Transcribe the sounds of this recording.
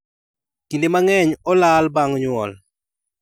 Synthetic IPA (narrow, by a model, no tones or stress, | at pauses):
kindemaŋɛɲɔlalbaŋɲwɔ̰l